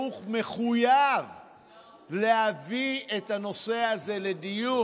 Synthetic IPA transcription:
uχme̞χujav | leɦavietano̞se̞aze̞le̞diju

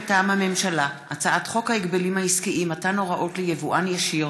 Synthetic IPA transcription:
taːmhame̞mʃalaʔat͡saʔatχo̞khaiɡbelimhaiskiʔimatano̞ʁaʔo̞tlejevuʔanjaʃi

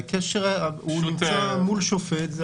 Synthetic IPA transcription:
keʃeʁunimt͡samulʃofet̪z

